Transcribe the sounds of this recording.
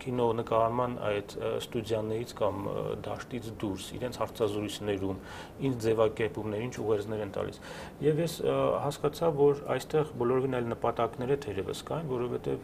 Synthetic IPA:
kʰinɔnəkɑɾmɑnɑ̰jt̪st̪udjɑnɛɾit͡sʰkɑmd̪ɑ̰ʃt̪it͡sʰd̪uɾsḭɾɛnt͡sʰhɑɾt͡sʰɑzɾujt͡sʰnɛɾum | ind͡ʒd͡zɛvɑkɛɾpumnɛɾiint͡ʃʰuʁɛɾt͡sʰnɛɾɛnt̪ɑ̰lḭs | jɛvjɛshɑskɑt͡sʰɑvvɔɾɑ̰jst̪ɛʁbɔlɔɾɔvinɑjlnəpɑt̪ɑknɛɾɛt̪ʰɛɾɛvə̰skɑjnvɔɾɔvɛt̪ɛv

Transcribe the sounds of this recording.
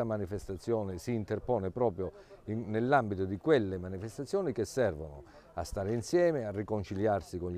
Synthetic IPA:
amanifest̪at̪sːjɔːnɪsiːnt̪erpɔːnepɾɔːpɾjo | inelːambit̪ʊd̪ikwelːemanifest̪at̪sːjɔːnikesːɛrvonʊ̰ | a̰st̪aːɾeinsjɛːmearːikont͡ʃiljarsikon

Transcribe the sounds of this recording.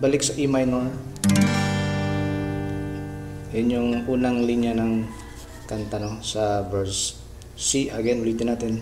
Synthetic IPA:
balɪk̚sɐʔimajno | ɪɲjoŋʔuːnaŋliɲanɐŋ | kant̪anosɐbɛɹs | siɐɡɛnwɪlit̪ɪnaːt̪ɪn

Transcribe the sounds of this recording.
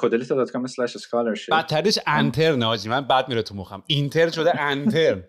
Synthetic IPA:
kʰod̪elit̪ʰɒd̪ɒt̪kʰɔmeslæʃeskʰɒleɾʃebæt̪ʰːæɾieʃænt̪ʰe̞ɾneɒːd͡ʒiːmænbæd̪̚miɾet̪ʰumoχæmint̪ʰeɾnʃo̞d̪eʔænt̪ʰeɾn

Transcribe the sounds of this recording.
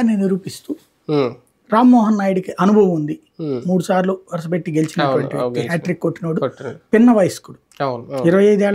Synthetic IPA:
niniɾuːpist̪uː | ɾaːmːɔːɦɐnːaːjɽikiʔɐnubʱɐʋɐmund̪i | muːɽusaːɾluʋɐɾɐs̬ɐbeʈːiɡe̞lit͡ʃinɐʈuʋɐɳʈiokihaːʈɾikːoʈːinoːɽupinːɐʋɐjsɐ̥kuɽu | iɾɐʋɐjɐjd̪ɛːɭ

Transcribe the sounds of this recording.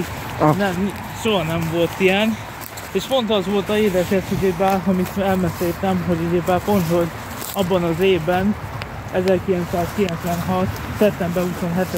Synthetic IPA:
nɛm | ʃoɦɒnɛɱvo̞lt̪ijɛn | eːʃpo̞nt̪ɒzʋo̞lt̪ɒeːd̪ɛʃɛt̪heɡebaːrɦomit̪ɛlmɛseːt̪ɛmɦo̞ɟuɟebaːpo̞nt̪ho̞ɟ | ɒbːɒnɒzeːvbɛn | ɛzɛrkilɛnt̪saːskilɛnt̪sʋɛnɦɒt̪sɛt̪ːɛmbɛuso̞nɦɛt̪

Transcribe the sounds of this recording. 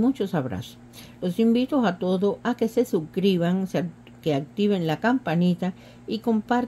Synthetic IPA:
mut͡ʃosaβɾa̰so̥s | losimbit̪osat̪o̞ðoʔake̞sesukɾiβaŋs | keak̚t̪iβenlakampanit̪a | ikompaɾ

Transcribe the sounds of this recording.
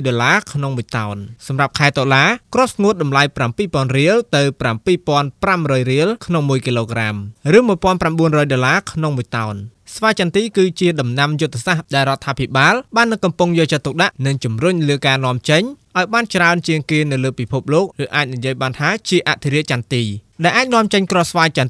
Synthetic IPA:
jɗoːlaːkʰnoŋmuəjt̪aɔnsɑmrap̚kʰaɛt̪olaːkrŏəp̚sŋuət̪̚ɗɑmlajprampiːpoənriəlt̪ɨwprampiːpŏənpramrɔːjriəlkʰnoŋmuəjkiloːkramrɨːmuəjpŏənpramɓuənrɔːjɗoːlaːkʰnoŋmuəjt̪aɔnsʋaːjt͡ɕant̪iːkɨːt͡ɕiəɗɑmnamjut̪ʰːesahɗaɛlrŏət̪ʰːaːpʰiɓaːlɓaːnːɨŋkɑmpʊŋjɔːlt͡ɕət̪ːuk̚ɗaʔnɨŋt͡ɕumrʊɲləːkaːnŏəmt͡ɕəɲʔaɔjɓaːnt͡ɕraənt͡ɕiəŋkeːnɨwləːpipʰup̚loːk̚rɨːʔaːc̚nijiəjɓaːnt̪ʰaːt͡ɕiəʔaʔt̪ʰiɾiəʔt͡ɕant̪iː | ɗaɛlʔaːc̚nŏəmt͡ɕəɲkrŏhsʋaːjt͡ɕan

